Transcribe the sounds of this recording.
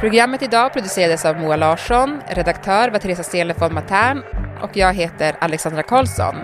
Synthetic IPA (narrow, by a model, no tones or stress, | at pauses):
pʰɾʊɡɾamːət̪ɪd̪ɑːpʰɾʊd̪ɵseːɾad̪əsavmuːalɑːʂɔnɾɛd̪akt̪ʰœːɾvat̪ʰɾeːsaseːləfɔnmat̪ʰæːɳʔɔkjɑːɡɦeːt̪əɾalɛksand̪ɾakʰɑːlsɔ̰n